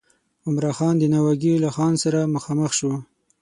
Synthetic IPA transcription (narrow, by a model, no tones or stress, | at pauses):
ʊmɾɑxɑnd̪ənawaɡilaxɑnsaɾaməxɑməxʃu